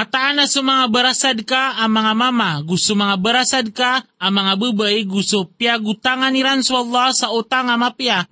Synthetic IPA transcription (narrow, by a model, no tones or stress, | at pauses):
at̪aːnasumaŋabəɾasadkaːmaŋamamaɡusumaŋabəɾasad̚kaːmaŋabəbəiɡusopiaɡut̪aŋaniɾansualːasaut̪aŋamapia